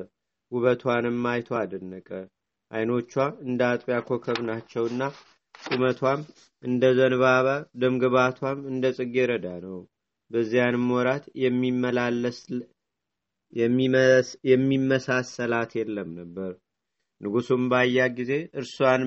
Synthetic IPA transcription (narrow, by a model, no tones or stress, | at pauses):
ɡuβət̪ʰwanɨmːajt̪ʰoad̪ənːəkʼə | ʔajno̞t͡ʃːwaɨnd̪at̪ʼpʼjakʰo̞kʰəβnat͡ʃːɛwɨnːa | sʼumət̪ʰwam | ʔɨnd̪əzənɨβaβad̪ɨmɡɨβat̪ʰwamɨnd̪əsʼɨɡeɾəd̪anəw | bəzːijanɨmːwɔɾat̪jɛmːiməlalːəs | ɛmːjɛmːimːəsasəlat̪jɛlːəmnəbːəɾ | nɨɡusumbajːaɡize̞ʔɨɾsuwan